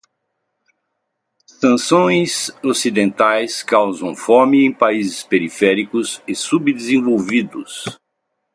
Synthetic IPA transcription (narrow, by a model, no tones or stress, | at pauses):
sɐ̃sõj̃sosid̪ẽnt̪ajskawzɐ̃w̃fomɪẽj̃paizɪspeɾifɛɾikʊsɪsubd̪ezẽvowvid̪ʊs